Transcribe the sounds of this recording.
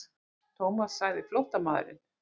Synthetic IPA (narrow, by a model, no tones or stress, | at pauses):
t̪ʰowmasːaɣðɪflowht̪amaːð̰ɾɪ̰n